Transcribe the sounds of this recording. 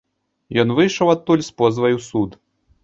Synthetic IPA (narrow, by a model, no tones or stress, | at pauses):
jɔnvɨjʂɐwat̪ːulʲspɔzvɐjusut̪